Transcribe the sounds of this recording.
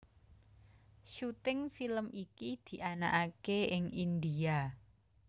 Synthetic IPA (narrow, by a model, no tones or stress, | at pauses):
ʃut̪ɪŋfiləmikid̪̥i̤ʔana̰ʔakeɪŋind̪ia